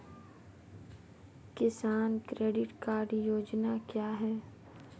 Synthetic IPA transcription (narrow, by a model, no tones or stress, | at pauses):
kɪsaːnkɾeːɖɪʈkaːɾɖjoːd͡ʒnakjaːɦɛː